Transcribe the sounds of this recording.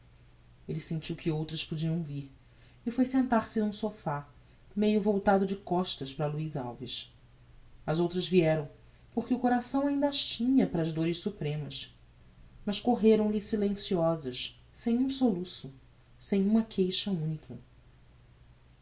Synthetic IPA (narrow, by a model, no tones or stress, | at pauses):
elɪsẽnt͡ʃiwkɪowt̪ɾɐspod͡ʒiɐ̃w̃viɾ | ɪfojsẽnt̪aɾsɪnũsofa | mejʊvowt̪ad̪ʊd͡ʒɪkɔʃt̪ɐʃpɾɐluiza̰wviʃ | ɐzowt̪ɾɐzviɛɾɐ̃w̃ | poχkɪukoɾasɐ̃w̃aĩnd̪ɐʃt͡ʃĩɲɐpɾɐːzd̪oɾɪʃsupɾẽmɐs | mɐʃkoɦeɾɐ̃w̃lɪsilẽsiɔzɐʃ | sẽj̃ũsolusʊ | sẽj̃ũmɐkʰejʃɐũnikʰɐ